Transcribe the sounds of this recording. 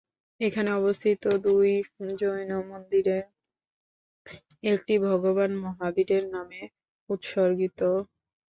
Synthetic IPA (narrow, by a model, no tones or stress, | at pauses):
ekʰaneɔbost̪ʰit̪od̪ujd͡ʑojnomond̪iɾe | ek̚ʈibʱɔɡoβanmɔɦabiɾeɾname | ut̪ʃoɾɡit̪o